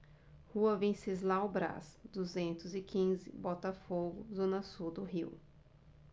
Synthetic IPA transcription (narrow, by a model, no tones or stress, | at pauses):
huɐvĩsɪzlawbɾa̰sd̪uzẽnt̪ʊzɪkʰĩzɪ̰bɔt̪ɐfoɡʊzõnɐsud̪ʊɦiw